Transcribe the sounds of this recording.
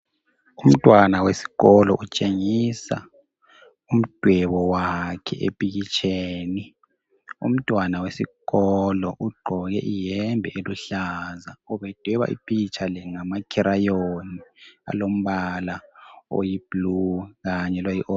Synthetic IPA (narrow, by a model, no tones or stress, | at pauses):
um̩tʼwanawesi̥ɣɔlɔʔut͡ʃʼeŋisa̰ | um̩d̥ʱwɛβɔwakʰɛ̰ʔḛpʼiɣit͡ʃʰʼeːni | ṵm̩tʼwanawesiɣɔlɔʔuɡ͡ǃʱɔɣɛʔijɛmbʱɛʔeluɬazauβɛd̥ʱwɛβa̰ʔḭpʼit͡ʃʼʰalɛŋamakʰiɾajonia̰lom̩βalao̰jib̥luɣaɲɛlojiʔo